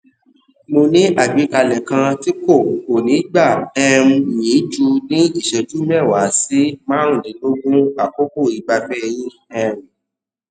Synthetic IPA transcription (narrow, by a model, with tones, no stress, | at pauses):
mo˧nĩ˦ʔa˦˨ɡ͡bi˨˦ka˧lɛ˨kã˧ti˦ko˦˨o˨nĩ˨˦ɡ͡ba˦˨ɛ˧ɾũ˧˨jĩ˨˦d͡ʒu˧nĩ˦i˦˨ʃɛ˧d͡ʒu˨˦mɛ˦˨wa˨˦si˦mã˦ũ˦˨nĩ˨˦lo˦ɡũ˦a˨ko˦bo˦˨i˨ɡ͡ba˨˦fɛ˦jĩ˦ | ɛ˧ɾ̃ũ˨